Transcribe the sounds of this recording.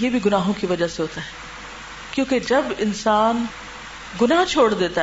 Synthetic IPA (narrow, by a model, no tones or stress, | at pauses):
jeːbʱiɡʊnaːɦõkiʋɐd͡ʒaseɦoːt̪aɦɛː | kjõːked͡ʒɐbɪnsaːn | ɡʊnaɦt͡ʃʰoːɽd̪eːt̪a